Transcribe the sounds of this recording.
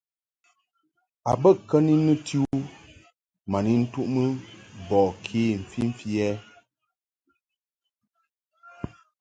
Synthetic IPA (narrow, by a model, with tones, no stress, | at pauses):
a˨bə˦˨kːə˦ni˦nɨ˦tʰi˦u˦ | ma˨ni˦n̩˦tu˦ʔmə˦bɔː˨kʰe˨˦˨m̩˨fi˦m̩˦fi˦ɛ˦